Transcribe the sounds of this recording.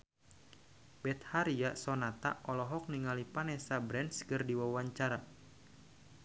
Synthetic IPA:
bɛt̪̚haɾiasɔnat̪a̰ʔɔlɔɦɔk̚niŋalipanɛsabɾɛnskɨrdiwawaɲt͡ʃaɾa

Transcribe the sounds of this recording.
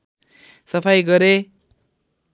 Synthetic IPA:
sʌpʰajɡʌɾe

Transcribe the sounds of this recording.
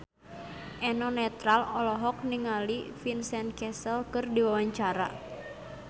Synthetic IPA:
ʔɛnɔnɛt̪ɾalɔlɔɦɔk̚niŋalifinsɛnkɛsəlkɨrdiwawaɲt͡ʃaɾa̰

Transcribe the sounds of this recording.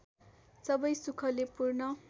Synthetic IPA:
sʌbʌjsukʰʌlepurnʌ

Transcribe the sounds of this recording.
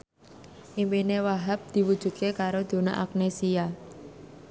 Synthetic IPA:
ʔimpinewaɦap̚d̪̥i̤wud̥ʒ̥ṳd̪̚kekaɾod̪̥o̤na̰ʔak̚nesia

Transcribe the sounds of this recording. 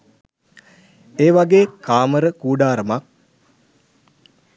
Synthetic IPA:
eːʋaɡeːkaːməɾəkuːɖaːɾəmak̚

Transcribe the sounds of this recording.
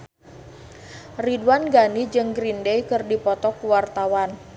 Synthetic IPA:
ridwanɡanid͡ʒɨŋɡɾindejkɨrdipɔt̪ɔkuwart̪awan

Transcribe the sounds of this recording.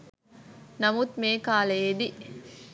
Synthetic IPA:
nɐmut̪meːkaːleːd̪i

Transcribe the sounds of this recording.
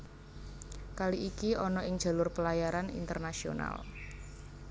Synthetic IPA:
kaliʔikiɔnɔʔɪŋd̥d͡ʒʒ̥a̤lʊrpəlajaɾanḭnt̪ərnasio̰na̰l

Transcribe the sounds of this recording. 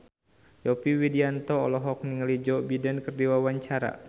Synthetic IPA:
jɔpiwidiant̪ɔːlɔɦɔk̚niŋəlid͡ʒɔbidɛnkərdiwawaɲt͡ʃaɾa̰

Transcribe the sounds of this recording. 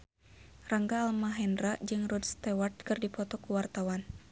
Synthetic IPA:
raŋɡaːlmaɦɛndrad͡ʒɨŋrɔdst̪ɛwart̪̚kɨrdipɔt̪ɔkuwart̪awan

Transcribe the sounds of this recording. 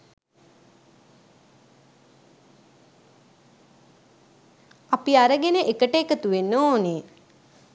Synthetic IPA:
apiaɾəɡenəʔekəʈəekət̪uʋenːoːne

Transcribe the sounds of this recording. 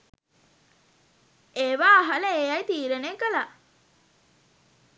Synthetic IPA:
eːʋaːɦɐləeːjajt̪iːɾeneːkəla

